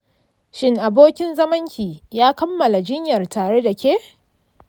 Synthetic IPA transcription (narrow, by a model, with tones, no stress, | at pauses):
ʃɪ˦ŋʔa˨boː˦kʲɪ˦nzɐ˦mɐ˦ŋkʲiː˨jaː˦kɐ˦mːɐ˨la˨d͡ʒɪ˦ɲjɐ˨rtaː˨ɽe˦da˨kʲeː˦